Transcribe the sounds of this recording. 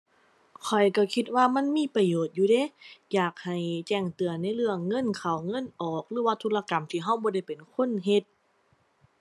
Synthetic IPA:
kʰɔ˨˩jka˧˩kʰi˧t̪̚waː˧˨ma˧˥˨nmiː˧˥˨pa˧joː˨˩t̪̚juː˧deː˧˥˨jaː˨˩k̚ha˨˩jt͡ɕɛː˧˩ŋt̪ɯ˨˩ɐna˧˥˨jlɯ˧˩əŋːɤ˧˥˨nkʰa˨˩wŋɤ˧˥˨nʔɔː˨˩k̚lɯː˧˦waː˧t̪ʰuː˧˥la˧ka˨˦mt̪ʰiː˧˩ɦa˧˩˨wbɔː˧da˧˩jpe˨˩nkʰo˧˥˨nɦe˧˥t̪̚

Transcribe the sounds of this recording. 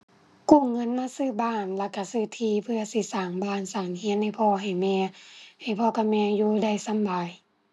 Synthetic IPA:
kuː˧˩˨ŋɤ˧˥˨nmaː˧˥˨sɯː˧˨baː˧˩˨nla˧ka˧˩sɯː˧˩t̪ʰiː˧˩pʰɯ˧ɐ˨si˧˩saː˨˩ŋbaː˧˩˨nsaː˨˩ŋhi˧˥ənha˧˩jpʰɔː˧ɦa˨˩jmɛː˧ha˨˩jpʰɔː˧˦ka˧˩mɛː˧juː˧da˧˩˨jsa˧˥˨mbaː˨j

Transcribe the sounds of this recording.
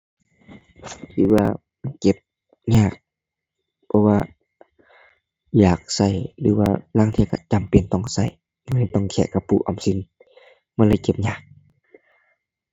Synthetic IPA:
lɯː˧˩waː˧ | ma˧˨nke˧˩p̚ | ɲaː˧˩k̚ | pʰɔ˧waː˧ | jaː˨˩k̚sa˧˩jlɯː˧˦waː˧laː˧˨ŋt̪ʰi˧˨ka̰˧˩t͡ɕa˨mpe˨nt̪ɔ˧˩˨ŋsa˧˩j | ma˧˨a˧˩˨t̪ɔ˧˩˨ŋkʰɛ̰˧˩˨ka˧˩pʰṵː˧˨ʔa˨msi˧˥n | ma˧˨laː˧˨jke˧p̚ɲaː˧˩k̚

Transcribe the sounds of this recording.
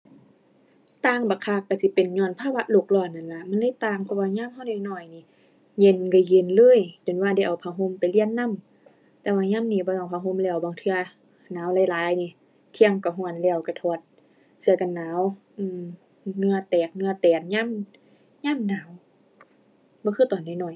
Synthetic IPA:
t̪aː˧˨ŋbaː˨˩kʰa˧˩kːa˧˩si˧˦pe˨nɲɔː˧˩˨npʰaː˧˨wa˧ʔlo˧˩k̚lɔː˧˩˨nnːa˧˨nla˧˦ʔma˧˥˨nlaː˧˨t̪aː˧˩˨ŋpʰɔ˧˨waː˧ɲaː˧˥˨mɦa˧˨wnaː˧˨nɔː˧˩jniː˧˨ | je˧˩˨nka˧˩je˧˨nlɤː˧˥˨jt͡ɕo˨˦nwaː˧˨da˧˩jʔa˨˩wpʰaː˧˩ɦo˧˨mpa˨jli˧˥ə˨nːa˧˥˨m | t̪ɛː˧waː˧ɲaː˧˥˨mniː˧˩bɔː˧˦˨a˧˨˩wpʰaː˧ɦo˧˥˨mlɛː˧˩˨wbaː˨ŋt̪ʰɯ˧˨ɐ | naː˨˦wlaː˧˨jlaː˨˦jniː˧˩ | t̪ʰi˧ə˧ŋka˨˧˩ɦɔ˧˨ənlɛː˧˩˨wka˧˩t̪ʰɔː˧˩t̪̚ | sɯ˧˦ɐka˨nːaː˨˦˥w | ʔɯː˧˩˨m | ŋɯ˧ɐ˨t̪ɛː˨˩k̚ŋɯ˧ɐ˨t̪ɛː˨˩t̪̚ɲaː˧˥˨m | ɲaː˧˥˨mnaː˨˦w | bɔː˧˦xʰɯː˧˨t̪ɔː˨nːɔː˧˩jnɔː˧˩j

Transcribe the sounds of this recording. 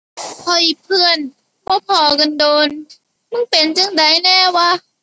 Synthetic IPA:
pʰɔː˧˩ʔi˨˩pʰɯ˧˥ən | bɔː˧˦pʰɔː˨˧˩ka˧ndoː˧n | mɯ˧˥˨ŋpe˨nt͡ɕa˧˥˨ŋda˨˦jnɛː˧˥˩waː˧˥˩

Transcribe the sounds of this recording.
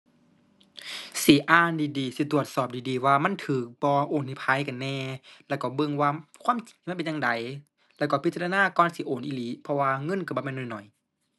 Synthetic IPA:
siː˨˦ʔaː˧˩ndiː˨˦diː˨si˧˦t̪u˧˩ət̪̚sɔː˨˩p̚diː˨˩diː˨˩waː˧ma˧˥˨nt̪ʰɯː˨˦k̚bɔː˧ʔoː˨˦ni˧˩pʰa˧˥˨jka˨nːɛː˧˩lɛː˧˩wkɔː˧˩bɤ˧˨ŋwaː˧˩kʰwaː˧˥˨mt͡ɕi˨ŋtʰiː˧˥˨pe˨ɲa˧ŋda˨˦j | lɛː˧˩kɔ˧˩pʰi˦t͡ɕa˧a˧naː˧˥˨kɔː˧˨nsiː˧˦ʔoː˨˦nʔiː˧˨liː˨˦pʰɔ˧waː˧ŋɤ˧˥˨nka˧˩bɔː˧˦mɛ˧˨nɔ˨˩jnɔ˨˩˦j

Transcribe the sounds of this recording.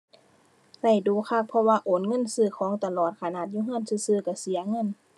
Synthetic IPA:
la˧˩jduː˨˦kʰa˧˩k̚pʰɔ˧waː˧ʔoː˨˦nŋɤ˧˥˨nsɯː˧˩kʰɔː˨˦ŋt̪a˧lɔː˨˩t̪̚kʰa˧˩naː˧˩t̪̚juː˧˨ɦɯː˧˥˨nsɯː˧˥˨sɯː˧˩ka˧˩si˨˦ɐŋɤ˧˥˨n

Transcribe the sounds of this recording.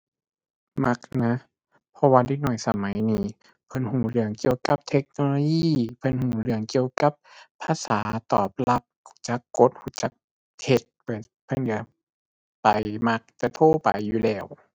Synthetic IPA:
ma˧˥k̚na˧˦˥ | pʰɔ˧waː˧de˧˦nɔ˧˩jsa̰˧ma˨˦jniː˧˩ | pʰɤ˧˨nhuː˨˩˦lɯ˧˩əŋki˧˨əwka˧˦p̚t̪ʰe˧˦k̚noː˧loː˧jiː˧˨pʰɤ˧˥˨nhuː˧˩˦lɯ˧˩əŋki˧əwka˧˦pʰːaː˧˨saː˨˦t̪ɔː˨˩p̚la˧˦p̚hu˧˩˦t͡ɕa˧˦kːo˧˦t̪̚huː˧˩˦t͡ɕa˧˦k̚ | t̪ʰe˧˦t̪̚pa˧˩ | pʰɤ˧˥˨ndɯ˨˩˦ɐ˦ | pa˨˩jma˧˥k̚t̪ɛ˧˩t̪ʰoː˧˥˨pa̰˨jːuː˧lɛː˧˩w

